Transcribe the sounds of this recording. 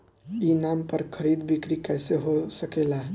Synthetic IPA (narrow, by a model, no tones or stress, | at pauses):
inaːmpəɾkʰəɾiːd̪bʱɪkɾikɛːseɦosəkeːla